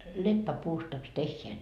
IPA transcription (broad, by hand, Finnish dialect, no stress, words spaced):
lepːæpuːstɑks tehːeæ